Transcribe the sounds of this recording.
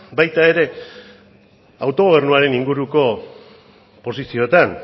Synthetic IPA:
bajt̪ae̞ɾe̞ | awt̪o̞ɣ̞oβ̞e̞rnuaɾe̞niŋɡuɾuko̞ | po̞sisio̞t̪an

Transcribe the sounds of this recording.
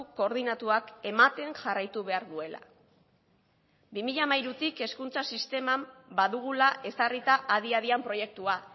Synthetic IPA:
ko̞ɾðinat̪uake̞mat̪e̞ŋʝarajt̪uβe̞aɾðue̞la̰ | bimiʎamajɾut̪ike̞skunt͡sasist̪e̞mambaðuɣ̞ulaʔe̞sarit̪aʔːðiað̞iampɾo̞je̞k̚t̪ua

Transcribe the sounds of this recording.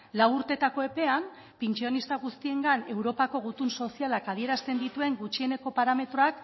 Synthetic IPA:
lawuɾt̪e̞t̪ako̞e̞pe̞am | pent͡ʃio̞nist̪aɣ̞ust̪ie̞ŋɡane̞wɾo̞pako̞ɣ̞ut̪unso̞sialakaðieɾast̪e̞nd̪it̪ue̞ŋɡut͡ʃie̞ne̞ko̞paɾame̞t̪ɾo̞ak

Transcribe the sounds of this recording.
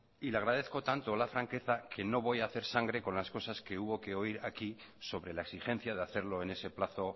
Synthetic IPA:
ileaɣ̞ɾaðe̞θko̞t̪ant̪olafɾaŋke̞θakʰe̞no̞β̞o̞jaːθe̞ɾsaŋɡɾe̞ko̞nlasko̞saske̞uβo̞ke̞o̞iɾaki | so̞βɾe̞laeksixe̞n̟θjað̞eaθe̞ɾlo̞ene̞se̞plaθo̞

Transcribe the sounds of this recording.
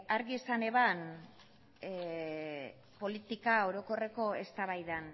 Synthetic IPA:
aɾɣiesane̞βan | po̞lit̪ikao̞ɾo̞ko̞re̞ko̞e̞st̪aβajðan

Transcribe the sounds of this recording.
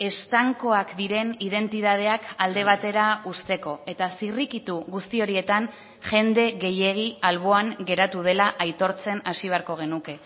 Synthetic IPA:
e̞st̪aŋko̞akd̪iɾe̞nið̞e̞nt̪iðað̞e̞akald̪e̞β̞at̪e̞ɾaust̪e̞ko̞e̞t̪asirikit̪uɣust̪io̞ɾie̞t̪an | ʝe̞nd̪e̞ɣe̞je̞ɣ̞ialβ̞o̞aŋɡe̞ɾat̪uð̞e̞laʔajt̪o̞ɾt͡se̞nasiβ̞e̞aɾko̞ɣ̞e̞nuke̞

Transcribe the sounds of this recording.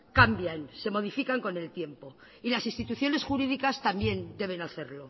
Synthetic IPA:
kambjanse̞mo̞ð̞ifikaŋko̞ne̞lt̪je̞mpo̞ | ilasinst̪it̪uθjo̞ne̞sxuɾiðikast̪ambje̞nd̪e̞β̞e̞naθe̞ɾlo̞

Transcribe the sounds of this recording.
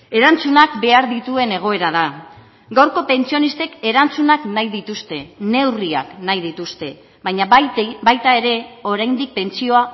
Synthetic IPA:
e̞ɾant͡sunakbe̞aɾðit̪ue̞ne̞ɣ̞o̞e̞ɾaða | ɡawɾko̞pe̞nt͡sio̞nist̪e̞ke̞ɾant͡sunaknajðit̪ust̪e̞ne̞wria̰knajðit̪ust̪e̞ | βaɲabajt̪ae̞ɾe̞o̞ɾajnd̪ik̚pe̞nt͡sio̞a

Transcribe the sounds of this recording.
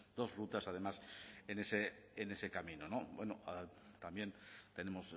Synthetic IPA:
d̪̥o̞zrut̪asað̞e̞masene̞seːne̞se̞kamĩnono̞bweno̰at̪ambje̞nt̪e̞ne̞mo̞s

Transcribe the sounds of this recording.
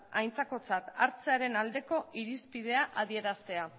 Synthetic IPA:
ajnt͡sako̞t͡sat̪aɾt͡se̞aɾe̞nald̪e̞ko̞ʔiɾispið̞e̞aʔað̞ie̞ɾast̪e̞a

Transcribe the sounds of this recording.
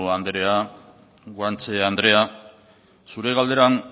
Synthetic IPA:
and̪eɾe̞a | ɡwant͡se̞and̪ɾe̞a | suɾe̞ɣald̪e̞ɾaŋ

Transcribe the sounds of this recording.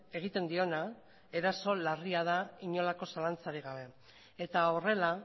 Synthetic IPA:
e̞ɣ̞it̪e̞nd̪io̞na | e̞ɾaso̞lariað̞aiɲo̞lako̞salant͡saɾiɣ̞aβ̞e̞ | et̪ao̞re̞la

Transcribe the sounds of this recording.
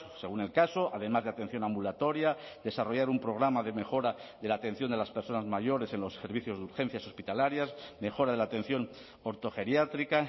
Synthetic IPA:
se̞ɣune̞lkaso̞ʔaðe̞mazðat̪e̞n̟θjo̞nãmbulat̪o̞ɾjad̪e̞saro̞ʝaɾumpɾo̞ɣ̞ɾamaðe̞me̞xo̞ɾaðe̞lat̪e̞n̟θjo̞nd̪e̞laspe̞ɾso̞nazmaʝo̞ɾe̞se̞nlo̞se̞ɾβiθjo̞zðuɾxe̞n̟θjaso̞spit̪alaɾjasme̞xo̞ɾaðelaːt̪ẽ̞n̟θjo̞n | o̞ɾt̪o̞xe̞ɾjat̪ɾika

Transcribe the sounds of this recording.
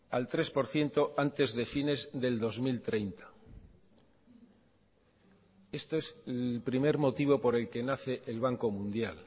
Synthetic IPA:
alt̪ɾe̞spo̞ɾθje̞nt̪o̞ʔant̪e̞zðe̞fine̞zðe̞ld̪o̞zmilt̪ɾe̞jnt̪ḁ | e̞st̪oe̞selpɾime̞ɾmo̞t̪iβo̞po̞ɾe̞lke̞naθe̞ʔelβ̞aŋko̞mũnd̪jal

